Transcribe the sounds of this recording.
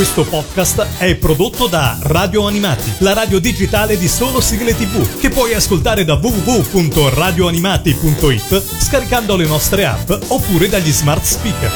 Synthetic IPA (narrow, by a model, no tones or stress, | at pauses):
kwest̪opɔd̪kast̪ɛpːɾod̪ot̪ːod̪araːd̪joanimaːt̪ilaɾaːd̪jod̪id͡ʒit̪aːled̪isoːlosiɡlet̪ivuk̟epːwɔjaskolt̪aːɾed̪avuvuvupunt̪oraːd̪joanimaːt̪ipunt̪oit̪ː | skaɾikand̪olenɔst̪ɾea̰pːopːuːɾed̪aʎːizmart̪spik